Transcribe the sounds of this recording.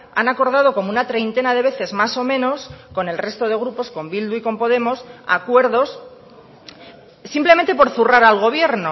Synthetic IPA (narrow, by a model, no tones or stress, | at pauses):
a̰nako̞ɾð̞að̞o̞ko̞mounat̪ɾe̞jnt̪e̞naðe̞β̞e̞θe̞zmaso̞mẽ̞no̞sko̞ne̞lre̞st̪o̞ð̞e̞ɣ̞ɾupo̞sko̞mbild̪uiko̞mpo̞ð̞e̞mo̞sa̰kwe̞ɾðo̞s | implemẽnt̪e̞po̞ɾθuraɾalɣ̞o̞β̞je̞ɾno̞